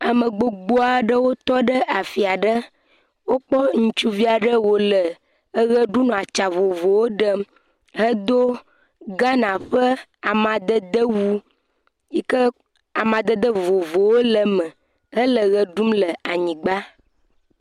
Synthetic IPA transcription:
a˨mə̃˨ɡ͡bo˨ɡ͡bo˦a˨˦ɖə˦wo˦t̪ɔ˦ɖə˦ʔa˨fi˨a˨ɖə˦ | wo˦k͡pɔ˦ŋũ˦t͡ʃu˦vi˦a˨ɖə˦wo˨lə˨ | ə˦ɣə˦ɖu˦nɔ̃˨a˨t͡ʃa˨vo˨vo˨wo˦ɖə˦m | ɦə˦d̪o˦ | ɡã˦nã˨ɸə˦a˨mã˨d̪ə˦d̪ə˦wu˦ | ji˦kə˦ | a˨mã˨d̪ə˦d̪ə˦vo˨vo˨wo˦lə˨mə̃˨ | ə˦lə˨ɣə˨ɖu˦mlə˨a˨ɲĩ˨ɡ͡ba˦

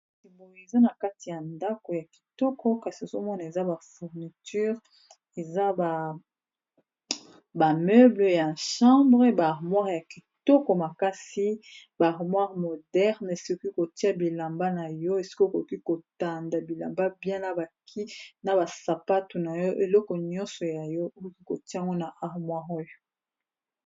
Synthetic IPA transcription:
ti˨bo˨e˨za˦na˨ka˦ti˨ja˨nda˦ko˨ja˨ki̥˨tɔ˦kɔ˦ka˨si˨o˨zo˦mɔ˦na˨e˨za˦ba˨fu˨ʁni˨ty˦ʁ | e˨za˦ba˨ | ba˨mø˦blə˨ja˨ʃɑ̃˦bʁe˦baː˨ʁmwa˦ʁja˨ki˨tɔ˦kɔ˨ma˨ka˦si˦ | baː˨ʁmwa˦ʁmo˨dɛ˦ʁne˨si̥˦ko˦ki˦ko˨ti˦a˦bi˨la˨mba˦na˨jɔ˦e˨si̥˦ko˦˨ko˨˦ki˦ko˨ta˨nda˨bi˨la̰˨mba˦bjɛ̃˦na˨ba˨kʰi˦na˨ba˨sa˨pa˦tu˨na˨jɔ˦ʔe˨lɔ˦kɔ˨ɲɔ̃˦nsɔ˨ja˨jɔ˦o˨ko˦ki˦ko˨tjŋɡo˦na˨ʔa˨ʁmwa˦ʁo˦jɔ˨

